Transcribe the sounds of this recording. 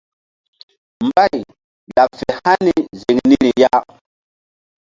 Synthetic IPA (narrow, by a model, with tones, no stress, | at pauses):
mba˦j | ɗa˨fe˨ha˦ni˦ze˨ŋni˦ɾi˨ja˦